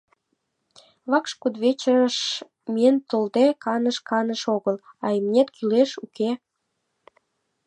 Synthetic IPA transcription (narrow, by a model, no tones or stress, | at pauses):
βɑkʃkud̪βet͡ɕəʃ | mient̪old̪ekɑnəʃkɑnəʃoɣəlɑimnʲet̪kʰileʃuke